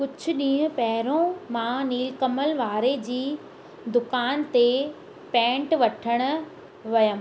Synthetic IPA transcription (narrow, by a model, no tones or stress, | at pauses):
kʊd͡ʑʱʰʊ̆ɗĩːʊ̃pɐɦɾõmãniːlkɐməlʋaːɾed͡ʑiː | d̪ʊkaːnt̪e | pɛ̃ːɳʈʋɐʈʰəɽ̃ʊ̆ | ʋɐjə